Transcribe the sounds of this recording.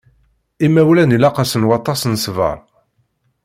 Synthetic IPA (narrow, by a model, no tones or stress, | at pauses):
imːæwlænilɑqɑsənwɑt̪ˤːɑsnsvə̰ɾˤ